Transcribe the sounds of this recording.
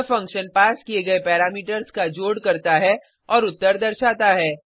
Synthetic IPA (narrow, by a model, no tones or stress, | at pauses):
fɐ̃ŋkʃənpaːskieɡɐepɛːɾaːmiːʈəɾzkad͡ʒoːɽkɐɾt̪aɦɛ | ɔːɾʊt̪ːəɾd̪ɐɾʃaːt̪aɦɛː